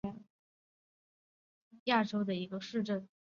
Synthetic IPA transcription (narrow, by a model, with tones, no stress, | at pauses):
ja˥˩ʈ͡ʂo˥ʊd̪ə˨i˧˥ɡə˧ʂɻ̩˥˧ʈ͡ʂə˥˩n